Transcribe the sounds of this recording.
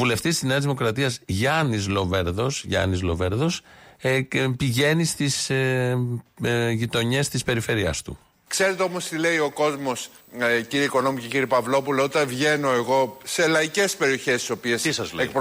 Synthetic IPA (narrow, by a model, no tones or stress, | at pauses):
ule̞ft̪ist̪izneɐzðimo̞kɾɐt̪iɐzʝɐnizlo̞veɾðo̞sʝɐ̰nizlo̞̰veɾðo̞s | piʝe̞nist̪is | ʝit̪o̞ɲe̞st̪ispe̞ɾife̞ɾiɐ̰st̪ṵ | kse̞ɾet̪eomo̞st̪ile̞io̞ko̞zmo̞s | ciɾieiko̞no̞muceciɾipɐvlo̞puleot̪ɐvʝe̞no̞eɣo̞selɐice̞spe̞ɾio̞çe̞st̪iso̞piesisɐzlekp